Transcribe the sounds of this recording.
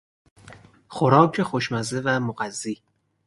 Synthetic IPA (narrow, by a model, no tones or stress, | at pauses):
xoɾɒːkʰexoʃmæzevæmoɢæzːiː